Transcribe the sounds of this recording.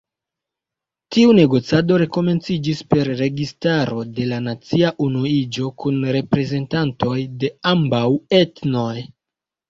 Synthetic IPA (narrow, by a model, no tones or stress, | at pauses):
tiune̞ɡo̞t͡siado̞ɾe̞ko̞me̞nt͡sid͡ʒispe̞ɾːe̞ɡistaɾo̞de̞lanat͡siaʔunuid͡ʒo̞kunɾe̞pɾe̞ze̞ntanto̞jde̞ambawe̞tno̞j